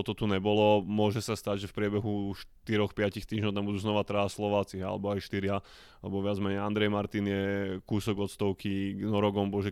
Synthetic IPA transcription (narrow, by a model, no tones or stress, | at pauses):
ɔt̪ɔt̪uɲɛbɔlɔmʊɔʒɛsast̪aɟʒɛfpɾɪɛbɛɦuʃt̪iɾɔxpɪacixt̪iːʒɲɔʊt̪ambud̪uːznɔʋat̪ɾaslɔʋaːt͡sia̰lɛ̰bɔajʃt̪iɾɪa | lɛbɔʋɪad͡zmɛɲɛjand̪ɾɛjmaɾt̪injɛkuːsɔɡɔt̪st̪ɔʊkinɔɾɔɡɔmbɔʒɛ